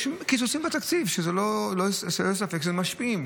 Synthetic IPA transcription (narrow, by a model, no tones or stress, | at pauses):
ʃmkit͡sosimbet̪akt͡sivʃezelolosʃelos̬afekʃezemaʃpiim